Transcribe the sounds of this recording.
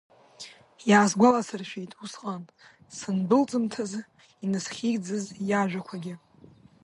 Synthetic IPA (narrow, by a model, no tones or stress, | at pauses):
jaːzɡʷalasɨrʃᶣijtʼusqʼan | sɨnbɨlt͡sʼɨmtʰaz | inɨsχʲid͡zɨzjaʒᶣʷakʷʰaɡʲɪ